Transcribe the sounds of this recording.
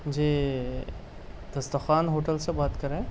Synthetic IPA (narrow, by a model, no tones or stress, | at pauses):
d͡ʒiː | d̪̥ɐst̪ɐxaːnɦoːʈəlsebaːt̪kɐɾẽː